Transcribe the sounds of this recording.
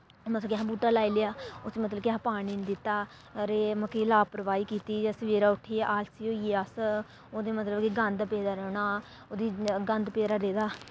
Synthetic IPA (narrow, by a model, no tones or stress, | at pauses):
mət̪ləbkãbuːʈaːlaːilejaːot͡ʃmət̪ləbkːpaːɽiːnd̪ɪt̪ːaː | ɾeːməkiːlaːpəɾəʋaːiːkiːt̪iːd͡ʒaːsəʋeːɾaːʊʈʰːeːʔaːlsiːoːieːəs | oːd̪eːmət̪ləbkiɡənd̪peːd̪aːɾɛːɽaː | oːd̪iːɡənd̪peːɾaːɾeːd̪aː